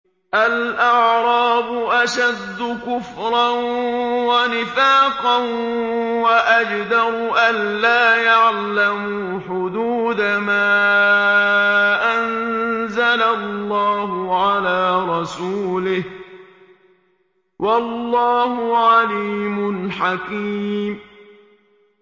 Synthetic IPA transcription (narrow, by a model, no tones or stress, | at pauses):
ʔalʔɑʕɾˤɑːbʊʔaʃad̪ːʊkʊfɾˤɑnwanɪfaːqɑnwaʔad͡ʒd̪ɑɾʊʔanːaːjaʕlamʊ | ħʊd̪uːd̪amaː | ʔanzalalːɑːɦʊʕalaːɾˤɑsuːlɪh | wʔɑlːɑːhʊʕaliːmʊnħakiːm